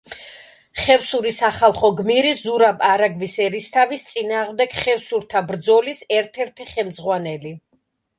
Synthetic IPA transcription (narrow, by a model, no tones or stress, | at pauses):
χɛvsuɾisaχalˠχɔɡmiɾizuɾabaɾaɡvisɛɾist̪ʰavist̪sʼinaːʁmd̪ɛɡ̥χɛvsuɾt̪ʰabɾd̪zɔlisɛɾt̪ʰɛɾt̪ʰiχɛmd̪zʁwanɛli